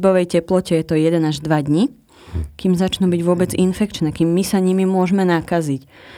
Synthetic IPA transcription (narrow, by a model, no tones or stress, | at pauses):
bɔʋɛjcɛplɔcɛjɛt̪ɔjɛd̪ɛnaʒd̪ʋad̪ɲi | kiːmzat͡ʃnubiɟʋʊɔbɛd͡zinfɛkt͡ʃnɛkiːmːisaɲimimʊɔʒmɛnakazic